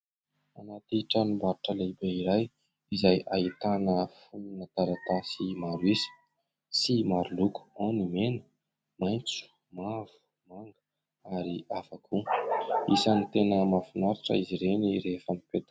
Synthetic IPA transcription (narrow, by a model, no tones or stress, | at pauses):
anat̪iʈ͡ʂanimbaɾuʈ͡ʂəlebeiɾaj | izajait̪anəfununat̪aɾat̪asimaɾuizi̥ | simaɾuluku̥onimenə̥ | majnt͡su̥ | mavu̥ | maŋɡə̥ | aɾiafakʰu | isanit̪enəmafinaɾaʈ͡ʂə̰iziɾeniɾefəmipet̪